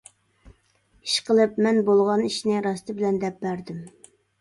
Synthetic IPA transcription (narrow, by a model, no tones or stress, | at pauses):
iʃqʰəlˠɨpmɛnbolˠʁɑniʃnɪɾɑst̪ɨbɪlɛnd̪ɛp̚bæɾd̪ɪm